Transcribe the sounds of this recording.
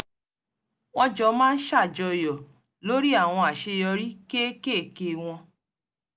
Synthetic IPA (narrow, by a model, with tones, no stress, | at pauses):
w̃ɔ̃˧d͡ʒɔ˧˦mãː˦n̩˦ʃa˦˨d͡ʒɔ˧jɔ˨ | lo˨˦ɾi˦a˦˨w̃ɔ̃˧a˨ʃe˧jɔ˧ɾi˦ke˦ke˦˨ke˧˨w̃ɔ̃˧